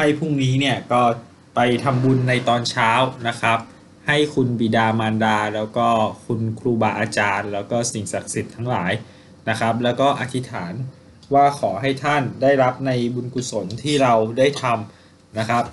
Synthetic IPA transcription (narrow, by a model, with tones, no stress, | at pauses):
ha˥˩jpʰu˥˩ŋniː˦˥ni˥˩ɐkɔː˥˩ | pa˧jt̪ʰa˧mbu˧nːa˧jt̪ɔː˧nt͡ɕʰaː˦˥wna˦˥kʰɾa˦˥p̚ | ha˥˩jkʰu˧nbiː˨˩daː˧maː˧ndaː˧lɛː˦˥wkɔː˥˩kʰu˧nkʰɾuː˧baː˧˩ʔaː˧t͡ɕaː˧nlɛː˦˥wkɔː˥˩si˨˩ŋsa˨˩k̚si˨˩t̪ʰːa˦˥ŋla̰ː˩˦j | na˦˥kʰa˦˥p̚lɛː˦˥wkɔː˥˩ʔa˧t̪ʰi˦˥t̪ʰaː˩˦n | waː˥˩kʰɔː˩˦ɦa˥˩jt̪ʰa˥˩ndaː˥˩jɾa˦˥p̚na˧jbu˧nku˨˧so˩˦nt̪ʰiː˥˩ɾa˧wdaː˥˩jt̪ʰa˧m | na˦˥kʰa˦˥p̚